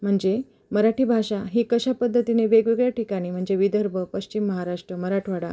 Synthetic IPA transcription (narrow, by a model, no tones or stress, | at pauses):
m̤əɳd͡ze | məɾaʈiːbʱaɕaɦiːkəɕapəd̪ʱːət̪ineʋeɡʋiɡɭjaʈikaɽ̃iːm̤əɳd͡zeʋid̪ʱəɾbʱəpəɕt͡ɕimːəɦaɾaʂʈɾəməɾaʈʰʋaɽa